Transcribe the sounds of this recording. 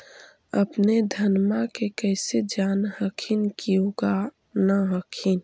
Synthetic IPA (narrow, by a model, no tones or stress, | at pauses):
ə̰pned̪ʱənmakekəɪsed͡ʒaːnhəkʰinkioɡa | naɦəkʰin